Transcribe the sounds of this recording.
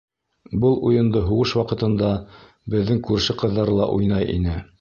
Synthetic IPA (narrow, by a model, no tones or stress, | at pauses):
bɤlˠujɤ̆nd̪ɤɦuʁɤʃwɑqɤ̆t̪ɤ̆nd̪ɑ | bɘ̆ðːɘŋkʉɾʃɘqɤ̆ðːɑɾɤlˠɑ̰ʔujnɑjʔḭnɘ